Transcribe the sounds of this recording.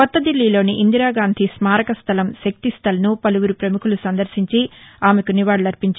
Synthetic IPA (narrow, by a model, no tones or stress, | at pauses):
kɔt̪ːɐd̪ilːiːlo̞ːniʔind̪iɾaːɡaːnd̪ʱismaːɾɐkɐst̪ʰɐlɐmʃɐk̚t̪ist̪ʰɐlɐnupɐluɡuɾupɾɐmukulusɐnd̪ɐɾsiɲt͡ʃiaːmekuniʋaːɽɐlɐɾpiɲt͡ʃ